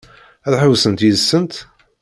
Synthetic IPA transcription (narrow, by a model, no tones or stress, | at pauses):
æðħəwsənt̪jiðsːənt̪